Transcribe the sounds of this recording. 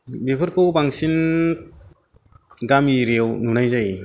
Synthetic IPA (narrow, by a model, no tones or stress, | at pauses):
bepʰɯɾkʰɯwbaŋsin | ɡamiɾewnunajzaj